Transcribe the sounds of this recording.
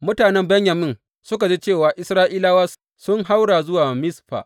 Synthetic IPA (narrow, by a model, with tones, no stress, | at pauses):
mʊ˦taː˨nɛ˦mbɛ˦ɲjɐ˨mɪ˦n | sʊ˦k̬a˨d͡ʒeː˦t͡ʃeː˦˨waː˨ʔɪ˦sɾaː˦ʔiː˦laː˦waː˦ | sʊ˦ŋɦa˦wɽaː˨zʊ˦waː˨mɪ˦sɸa̰˨ʔ